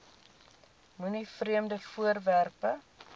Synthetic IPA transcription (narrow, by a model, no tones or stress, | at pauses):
munifriəmdəfuərværpə